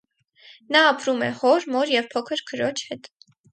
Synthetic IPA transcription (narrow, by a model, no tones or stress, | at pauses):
nɑːpɾumɛ̰hɔɾmɔɾjɛvpʰɔkʰəɾkʰəɾɔt͡ʃʰhɛt̪